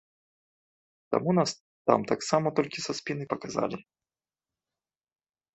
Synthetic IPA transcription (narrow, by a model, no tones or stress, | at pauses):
t̪a̰munas | t̪a̰mt̪aksamɐt̪ɔlʲkʲisɐspʲinɨpɐkaza̰lʲi